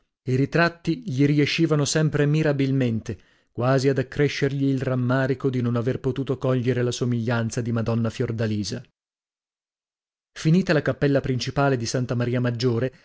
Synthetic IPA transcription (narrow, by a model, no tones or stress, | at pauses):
iɾit̪ɾat̪ːiʎiɾieʃːiːvanosɛmpɾemiɾabilment̪e | kwaːziad̪akːɾeʃːerʎiːlramːaːɾikod̪inonaverpot̪uːt̪okɔʎːeɾelasomiʎːant̪sad̪imad̪ɔnːafjord̪aliːza | finiːt̪alakapːɛlːapɾint͡ʃipaːled̪isant̪amaɾiːamad͡ʒːoːɾe